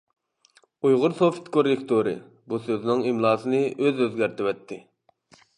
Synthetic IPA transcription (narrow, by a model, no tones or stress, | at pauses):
ujʁʊɾsofi̥t̪kʰoɾekʲt̪ʰoɾɨ̰ | busøzɪnɪŋimlˠɑːsɨnɨʔøzøzɡʲæɾt̪ʰɪwɛt̪ʰːɪ